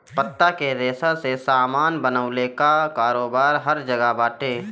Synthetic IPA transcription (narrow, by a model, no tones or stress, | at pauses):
pət̪ːakeɾeːsəsesaːmaːnbənəʊlekakaːɾoːbaːɾɦɐɾd͡ʒɐɡabaːʈeː